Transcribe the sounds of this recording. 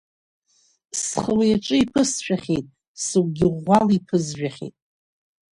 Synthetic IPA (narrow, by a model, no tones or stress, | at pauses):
sχəwajaʈ͡ʂʼɨipʰɨsʃᶣaχʲejtʼ | sɨwɡʲɪʁʷalipʰɨzʒᶣaχʲḛjtʼ